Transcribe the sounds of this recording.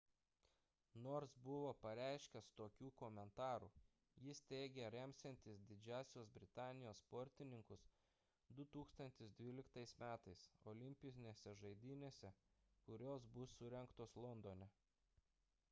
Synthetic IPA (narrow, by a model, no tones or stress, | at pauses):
noːɾsbʊʋoːpɐɾʲæˑɪʃʲkʲɛst̪oːkʲuːkoːmʲɛnt̪ɑːɾṵː | jɪst̪ʲɛɪɡʲɛɾʲɛmʲsʲɛnʲt̪ʲɪsd̪ʲɪd͡ʒʲæːsʲoːsbʲɾʲɪt̪ɑːnʲɪjoːsspɔɾʲt̪ʲɪnʲɪŋkʊs | d̪ʊt̪uːkst̪ɐnʲt̪ʲɪsd̪ʲʋʲiːlʲɪkt̪ɐɪsmʲæːt̪ɐɪsoːlʲɪmʲpʲɪnʲesʲɛʒɐɪd̪ʲɪnʲeːsʲɛkʊɾʲoːsbʊsːʊɾʲɛŋkt̪oːslˠɔnd̪oːnʲɛ